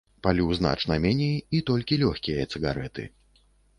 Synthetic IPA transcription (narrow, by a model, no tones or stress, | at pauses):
palʲuzn̪a̰t͡ʂnɐmʲɛnʲejit̪ɔlʲkʲilʲɔxʲkʲijɐt̪sɨɣaɾɛt̪ɨ̰